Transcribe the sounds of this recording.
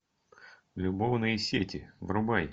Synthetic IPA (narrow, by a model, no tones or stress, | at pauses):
lʲʊbovnɨjɪsʲetʲɪvrʊbaj